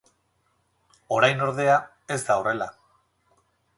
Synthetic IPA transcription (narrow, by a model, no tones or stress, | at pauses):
o̞ɾajno̞ɾðe̞a | e̞zd̪aore̞la